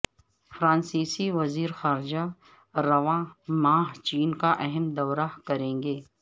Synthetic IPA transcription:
fɾãːnsiːsiʋɐziːɾxaːɾd͡ʒa | ɾɐʋãːmaːɦt͡ʃiːnkaʔɛɦɛmd̪ɐːɾakɐɾẽːŋɡeː

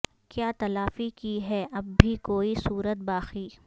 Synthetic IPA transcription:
kjaːt̪ɐlaːfikiɦɛʔɐbːʱikoːisuːɾət̪̚baːxiː

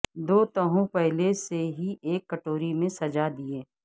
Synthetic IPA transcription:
d̪oːt̪əɦõpɛɦleseɦiʔeːkːəʈoːɾimẽsɐd͡ʒad̪ieː

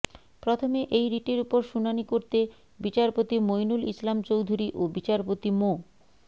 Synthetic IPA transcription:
pɾot̪ʰomeʔejɾiʈeɾupoɾʃunanikoɾt̪e | bit͡ɕaɾpot̪imojnulislamt͡ɕowd̪ʱuɾiʔobit͡ɕaɾpot̪imo

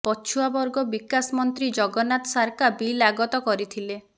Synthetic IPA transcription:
pɔt͡ʃʰuabɔɾɡɔbikasmɔnt̪ɾid͡ʒɔɡɔnat̪ɔsaɾkabilaɡɔt̪ɔkɔɾit̪ʰile

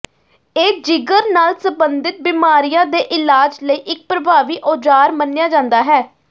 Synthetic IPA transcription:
eːd͡ʒɪɡəɾnaːlsəmbənd̪ɪt̪̚biːmaːɾijãːd̪eːʔɪlaːd͡ʒləiːʔɪk̚pɾəbʱaːʋiːʔoːd͡ʒaːɾmənːɪjaːd͡ʒãːnd̪aːɦɛː

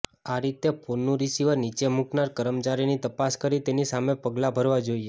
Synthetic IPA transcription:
aɾit̪eponːũɾisiʋəɾnit͡ʃemuknaɾkəɾəmt͡ʃaɾinit̪əpaskəɾit̪enisamepəɡlabʱəɾʋad͡ʒoie

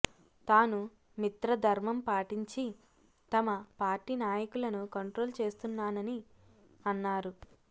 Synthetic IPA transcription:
t̪aːnu | mit̪ɾɐd̪ʱɐɾmɐmpaːʈiɲt͡ʃi | t̪ɐmɐpaːɾʈiːnaːjɐkulɐnukɐɳʈɾo̞ːlt͡ʃe̞ːst̪unːaːnɐni | ɐnːaːɾu

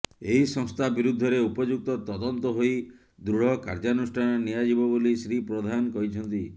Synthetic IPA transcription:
eɦisɔŋst̪ʰabiɾud̪ʱːɔɾeupɔd͡ʒuk̚t̪ɔt̪ɔd̪ɔnt̪ɔɦoj | d̪ɾuɽ̤ɔkaɾd͡ʒanusʈʰanɔnijad͡ʒibɔbolisɾipɾod̪ʱankɔɦit͡ʃʰɔnt̪i

